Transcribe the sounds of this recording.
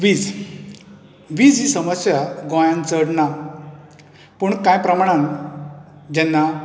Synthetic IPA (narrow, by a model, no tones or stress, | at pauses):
ʋiːd͡z | ʋiːd͡zisəməsjaɡõjãnt͡səɽna | puɳkãjpɾəmaɽ̃ãn | d͡ʑɛnːa